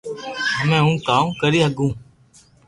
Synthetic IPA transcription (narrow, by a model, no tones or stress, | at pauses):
mɛ̃ːɦũːkaːũːkəɾiːɦəɡũː